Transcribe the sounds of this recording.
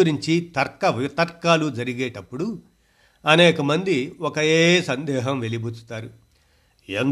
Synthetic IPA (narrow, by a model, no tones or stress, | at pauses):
uɾiɲt͡ʃit̪ɐɾkːɐʋit̪ɐɾkːaːlud͡ʒɐɾiɡeːʈɐpːuɽu | ɐnɛːkɐmɐnd̪iɔkɐeːsɐnd̪ɛːɦɐmʋe̞libut͡ʃu̥t̪aːɾu | en